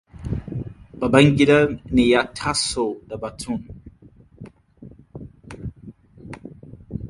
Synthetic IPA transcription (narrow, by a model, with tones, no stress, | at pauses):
b̥a˨ba˦ŋɡi˦da˦ni˨ja˦tʰa˦so˨da˨ba˨tʰu˦˨n